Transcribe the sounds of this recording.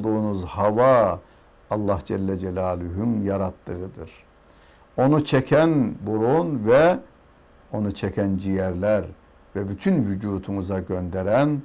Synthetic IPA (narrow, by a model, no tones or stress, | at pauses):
d̪uːnuzhɑvɑ | ɑlˠːɑhd͡ʒɛlːɛd͡ʒɛlʲaːluɦynjaɾat̪ʰːɯɯd̪ɯɾ̥ | o̞nut͡ʃʰɛcʰænbuɾunvɛ | o̞nut͡ʃʰɛcʰænd͡ʒijɛɾlʲæɾ | vɛbyt̪ʰynvyd͡ʒuːt̪ʰumuzaɟønd̪eɾæn